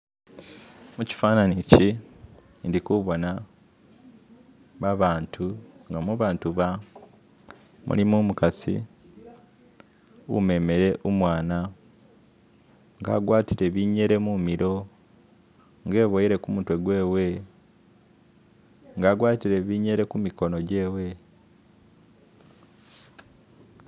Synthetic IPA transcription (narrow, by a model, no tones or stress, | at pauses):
muci̥faːnanici | ndikuβo̞na | βaβaːntʰuŋɡamuβaːntuβa | mṵlimumukasḭ | ṵme̞me̞ɾe̞ʔomwaːna | ŋɡa̰ːɡwaːtiɾe̞βiːɲe̞ɾe̞mumiɾo̞ | ŋɡe̞ːβojiɾe̞kumutwe̞ɡwe̞ːwe̞ | ŋɡaːɡwaːtiɾe̞βiːɲe̞ɾe̞kumiko̞no̞ɟe̞ːwe̞